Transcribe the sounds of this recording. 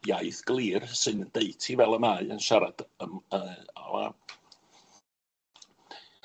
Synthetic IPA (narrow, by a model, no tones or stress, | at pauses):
jajθɡ̥lˠiːrsɨndeɨtʰivɛlˠəmaɨanʃaɾad̥əməa̰la̰